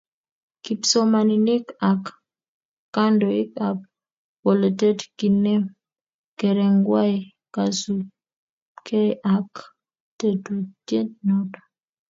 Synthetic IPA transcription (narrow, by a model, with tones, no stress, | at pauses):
ki˨pso˦ma˨nini˦kakː | a˦ndɔ˨ɪ˦ka˨p̚ | wo˨le˨te˦tki˨ne˦m | ke˨ɾɛ˨ŋɡwa˦i | ka˨su | kʰe˦ʔa˨k | te˦to˨tje˦t̚nɔ˦tɔ̥